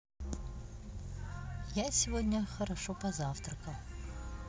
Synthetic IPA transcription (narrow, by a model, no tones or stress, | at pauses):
jasʲɪvodʲnʲəxɐɾɐʂopɐzaft̪rɐkɐm